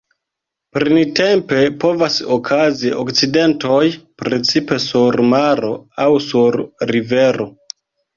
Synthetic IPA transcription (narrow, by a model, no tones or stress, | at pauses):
pɾinte̞mpe̞po̞vasokʰazio̰kt͡side̞nto̞jpɾe̞t͡sipe̞suɾmaɾo̞awsuɾːive̞ɾo̞